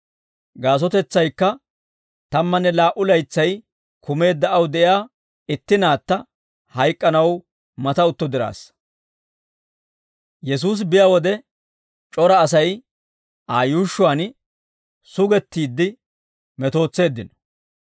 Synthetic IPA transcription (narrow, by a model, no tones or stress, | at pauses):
ɡaːs̬ɔt̪ɛt͡sːɐjkːɐ | t̪ɐmːɐnːɛlaːʔʊlɐjt͡sːɐj | kʊme̞ːd̪ːɐʔɐwd̪ɛʔjaː | ɪt̪ːɪnaːt̪ːɐ | hɐjkʼːɐnɐw | mɐt̪ɐʊt̪ːɔd̪ɪɾa̰ːs | jɛs̬uːs̬bɪjawɔd̪ɛ | t͡ʃʼɔɾɐːsɐj | ʔaːjuːʃːʊaːn | sʊɡɛt̪ːiːd̪ːɪ | mɛt̪o̞ːt͡sːe̞ːd̪ːɪnɔ̥